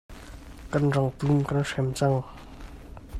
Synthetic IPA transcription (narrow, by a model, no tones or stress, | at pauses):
karɳɖ͡ʐaŋt̪umkarʂʰemt͡saŋ